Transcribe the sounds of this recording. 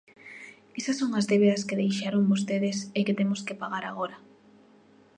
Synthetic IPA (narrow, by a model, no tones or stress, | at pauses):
esɐsːoŋazðeβeðɐskeðejʃaɾoŋbost̪eðeseket̪emoskepaɣaɾaɣoɾa